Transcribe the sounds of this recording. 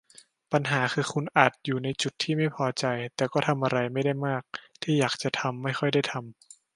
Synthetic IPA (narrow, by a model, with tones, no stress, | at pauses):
pa˧nɦaː˩˦xʰɯː˧xʰu˧nʔaː˨˩t̪̚juː˨˩na˧jt͡ɕu˨˩t̪ʰːiː˥˩ma˥˩jpʰɔː˧t͡ɕa˧jt̪ɛː˨˩kɔː˥˩t̪ʰa˧mʔa˧ɾa˧jma˥˩jda˥˩jmaː˥˩k̚t̪ʰiː˥˩jaː˨˩k̚t͡ɕa˨˩t̪ʰa˧mːa˥˩jxʰɔ˥˩jda˥˩jt̪ʰa˧m